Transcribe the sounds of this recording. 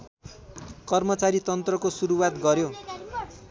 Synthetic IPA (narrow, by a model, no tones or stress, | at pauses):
kʌrmʌt͡saɾit̪ʌnt̪rʌkosuɾuwat̪ɡʌɾjo